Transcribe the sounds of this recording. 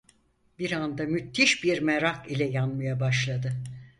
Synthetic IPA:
biɾand̪amyt̪ʰːiʃbiɾmɛɾakilʲɛjanmajabaʃlˠad̪ɯ

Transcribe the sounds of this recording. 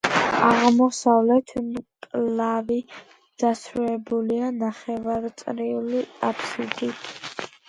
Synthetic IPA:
aʁmɔsavlɛt̪ʰmkʼlavi | d̪̥asɾuɛbulianaχɛvaɾt̪sʼɾiuliapʰsid̪it̪ʰ

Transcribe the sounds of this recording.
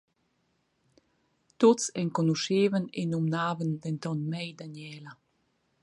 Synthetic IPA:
t̪ot͡sɛnkɔnuʃeːvənenumnaːvənd̪ɛntɔnmɛjd̪anɛːla

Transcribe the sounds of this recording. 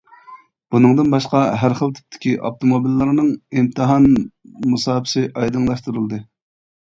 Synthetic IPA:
b̥unɨŋd̪ɨnbɑʃqɑɦæɾχəlˠt̪ʰy̥p̚t̪ʰɪ̥kʲiʔɑft̪ʰomobilːɨɾnɨŋimt̪ʰɨɦɑnmusɑːbʰɪ̥sɪʔɑjd̪ɨŋlˠɑʃt̪uɾɨlˠd̪ɨ

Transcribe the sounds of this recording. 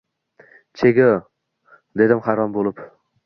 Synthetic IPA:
t͡ʃʰeɡʲo | d̪e̞d̪ɪmhaɾɒmbolˠɪp

